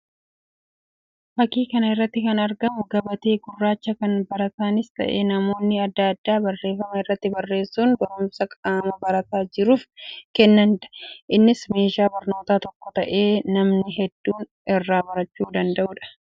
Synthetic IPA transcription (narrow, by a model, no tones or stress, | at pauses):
bɐkːiːkɐnɐɪrːɐt̪ːɪkɐnɐɾɡɐmʊɡɐbɐt̪eːɡʊrːaːt͡ʃːɐkɐnbɐɾɐt̪aːnɪst̪ɐ̰ʔḛːnɐmo̞ːnːɪɐd̪ːaɐd̪ːaːbɐrːe̞ːfɐmɐɪrːɐt̪ːɪbɐrːe̞ːsːuːnbɐɾʊmsɐkʼaːmɐbɐɾɐt̪aːd͡ʒɪɾuːfkɛnːɐnd̪ɐ̥ʔɪnːɪsme̞ːʃaːbɐɾno̞ːt̪aːt̪ɔkːɔt̪ɐʔe̞ːnɐmnɪɦɛd̪ːuːn | ɪrːaːbɐɾɐt͡ʃːuːd̪ɐnd̪ɐʔʊᶑɐ̥